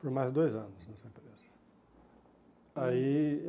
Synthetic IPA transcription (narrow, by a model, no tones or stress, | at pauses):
poɾmajzd̪ojzɐ̃nʊsnɛsɐẽpɾez̥ɐ | ai